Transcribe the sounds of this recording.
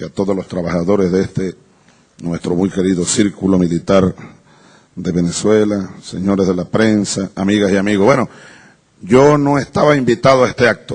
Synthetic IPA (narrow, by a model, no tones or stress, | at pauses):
at̪o̞ðoslo̞st̪ɾaβaxaðo̞ɾezðeest̪e | nwe̞st̪ɾomujke̞ɾiðosiɾkulo̞milit̪aɾ | d̪e̞βe̞neswe̞lase̞̰ɲo̞ɾezðelapɾe̞nsaːmiɣasiamiɣobweno̞ | ɟ͡ʝono̞est̪aβaimbit̪aðoaest̪e̞ak̚t̪o